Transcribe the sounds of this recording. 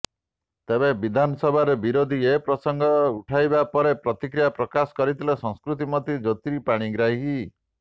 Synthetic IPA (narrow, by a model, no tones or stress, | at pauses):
t̪ebebid̪ʱanɔsɔbʱaɾebiɾod̪ʱiepɾɔsɔŋɡʱɔuʈʰajbapɔɾepɾɔt̪ikɾijapɾɔkasɔ̥kɔɾit̪ʰilesɔ̃ŋskɾut̪imɔt̪id͡ʒɔt̪iɾipaɽ̃iɡɾaɦi